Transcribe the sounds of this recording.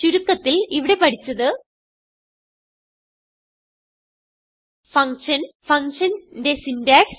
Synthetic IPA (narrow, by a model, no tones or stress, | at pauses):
t͡ɕuɾukːɐt̪ːiliʋiɽe̞pɐɽʰit͡ɕːɐðɨ | fɐŋʂɐnfɐŋʂɐndesindaːks